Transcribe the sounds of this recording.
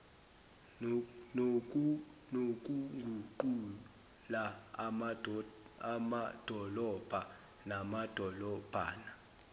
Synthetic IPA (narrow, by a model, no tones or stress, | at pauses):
n | nok̬ʼuŋɡʱuǃu | la | amad̥ʱɔlɔb̥ʱa | namad̥ʱɔlɔb̥ʱa̰ːna